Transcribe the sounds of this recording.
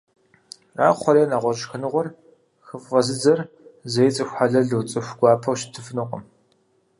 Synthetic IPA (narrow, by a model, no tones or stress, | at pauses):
ra̰ːχʷɔɾeːnaːʁʷɔʒxɨnɨʁʷɔr | xɨfʁɐzɨd͡zɐr | zɐjɪt͡sʼɨxʷħaɮɐɮɨwt͡sʼɨxʷɡʷɑːpʰɐwʃtʰɨfnɨqʷʼə̰m